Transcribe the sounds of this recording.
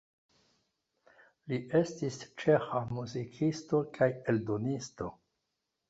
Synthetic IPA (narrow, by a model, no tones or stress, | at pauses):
liʔe̞stist͡ʃe̞xamuzikʰisto̞kʰaje̞ldo̞nisto̞